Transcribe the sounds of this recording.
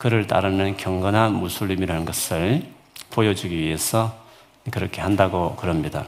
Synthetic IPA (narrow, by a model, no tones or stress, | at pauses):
kɯɾɯɭt͈a̰ɾɯnɯnkjʌŋɡʌnɦanmusʰuʎːimiɾanɯnɡʌsʰɯɭ | pojʌd͡ʑuɡiɥie̞sʰʌ | kɯɾʌkʰe̞ɦandaɡokɯɾʌmɲida̰